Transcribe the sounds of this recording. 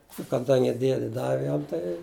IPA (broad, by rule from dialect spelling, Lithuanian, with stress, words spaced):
ʊ kɐˈdɐŋʲɡʲɪ ˈdʲiɛdʲɪ ˈdɑːʋʲɪ ˈjɛm tɐɪ